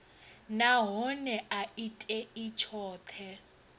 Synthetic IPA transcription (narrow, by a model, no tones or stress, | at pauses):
naɦɔnɛʔaitʼɛit͡ʃʰɔːt̪ʰɛ